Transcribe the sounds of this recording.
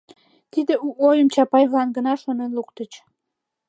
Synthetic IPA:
t̪id̪euojəmt͡ɕɑpɑjβlɑnɡənɑʃonenlukt̪ət͡ɕ

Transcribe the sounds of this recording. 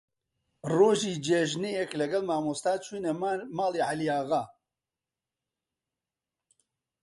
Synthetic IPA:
roːʒiːd͡ʒeʒnejɛklɐɡɐlmaːmost̪aːt͡ʃʰuːnɛmaːleːʕalijaːɣaː

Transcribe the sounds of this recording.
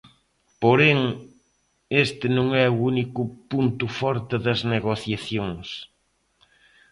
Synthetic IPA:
poɾeŋ | est̪ɪnõŋɛuunikʊpunt̪ʊfɔɾt̪ɪðɐzneɣoθjaθjoŋs

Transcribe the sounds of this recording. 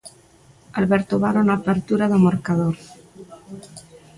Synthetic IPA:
alβeɾt̪oβaɾonaːpeɾt̪uɾaðomoɾkaðoɾ

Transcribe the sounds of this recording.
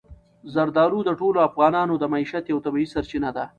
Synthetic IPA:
zɐɾd̪ɑːɾud̪əʈoloafɣɑːnɑːnod̪əmaiːʃat̪jawt̪abiisɐɾt͡ʃinad̪a

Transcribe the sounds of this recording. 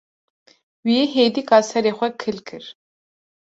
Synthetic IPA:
wiɛɦed̪ikʼasɐɾɛχʷɛkʰɨlkʰɨr

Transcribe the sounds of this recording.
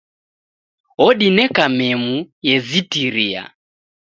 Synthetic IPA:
ɔɗinɛkamɛmujɛzitiɾia̰

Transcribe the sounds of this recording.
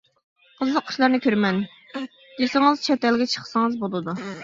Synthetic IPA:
qʰəzlˠəqʰʊ̥ʃlˠɑɾnɨkʲʰøɾmɛn | d̥̪ʲesɪŋɨzt͡ʃʰɛt̪ɛlɡʲɛt͡ʃʰə̥χsɨŋɨzbolˠɨd̪u

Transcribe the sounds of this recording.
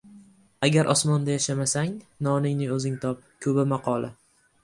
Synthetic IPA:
aɡʲaɾʔɒsmɒnd̪ajaʃamasaŋnɒnɪŋnɪŋɵzɪŋt̪ʰɒp̚kʰɵbɪmaqʰɒlˠa̰

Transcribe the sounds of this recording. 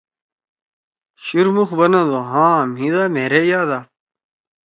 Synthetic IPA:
ɕuɾmuxbɐnɐd̪oɦãːmɦĩd̪aːmeːɾejaːd̪aː

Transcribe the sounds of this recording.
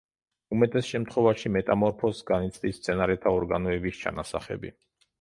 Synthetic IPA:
umɛt̪ʼɛsʃɛmt̪ʰχwɔvaʃimɛt̪ʼamɔɾpʰɔsɡanit̪sʼd̪ist̪sʰɛnaɾɛt̪ʰaɔɾɡanɔɛbist͡ʃʰa̰nasa̰χɛ̰bḭ

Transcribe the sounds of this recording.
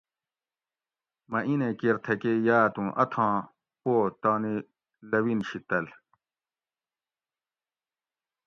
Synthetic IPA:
mɐʔinẽkiɾt̪ʰɐkejaːt̪ũʔɐt̪ʰɑ̃ː | poːt̪aːni | lɐwinɕit̪ɐl

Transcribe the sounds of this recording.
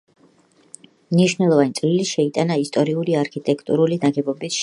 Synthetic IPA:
mniʃwnɛlˠɔvanit̪sʼliliʃɛit̪ʼanaist̪ʼɔɾiuliaɾkʰit̪ʼɛkʰt̪ʼṵɾulinaɡɛbɔbisʃ

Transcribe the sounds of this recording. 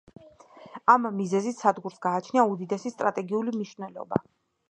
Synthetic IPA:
amːizɛzissad̪ɡuɾsɡaːt͡ʃʰniaud̪id̪ɛsist̪ʼɾat̪ʼɛɡiulimniʃvnɛlˠɔ̰ba̰

